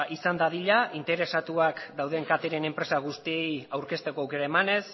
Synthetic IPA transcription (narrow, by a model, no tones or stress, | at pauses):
isand̪aðiʎaʔint̪e̞ɾe̞sat̪uakd̪awð̞e̞ŋkat̪eɾe̞ne̞mpɾe̞saɣ̞ust̪ie̞jawɾke̞st̪e̞koawke̞ɾaemane̞s